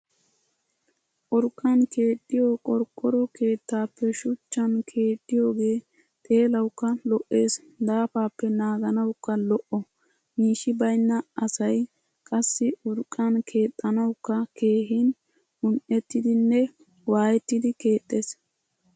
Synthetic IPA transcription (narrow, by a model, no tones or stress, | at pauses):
ʔʊɾkʼːɐnke̞ːt̪ʼːɪjoːkʼɔɾkʼːɔɾɔke̞ːt̪ːaːpːɛʃʊt͡ʃːɐnkʰe̞ːt̪ʼːɪjo̞ːɡe̞ː | t̪ʼe̞ːlɐwkːɐlɔʔːe̞ːs | d̪aːfaːpːɛnaːɡɐnɐwkːɐlɔʔɔ | miːʃɪbɐjnːɐɐsɐj | kʼɐsːɪʔʊɾkʼːɐnkʰe̞ːt̪ʼːɐnɐwkːɐke̞ːɦɪn | ʊnʔɛt̪ːɪd̪ɪnːɛ | waːjɛt̪ːɪd̪ɪke̞ːt̪ʼːe̞ːs